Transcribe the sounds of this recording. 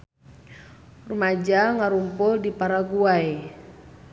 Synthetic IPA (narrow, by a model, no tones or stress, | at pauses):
rumad͡ʒaŋaɾumpʊldipaɾaɡuaj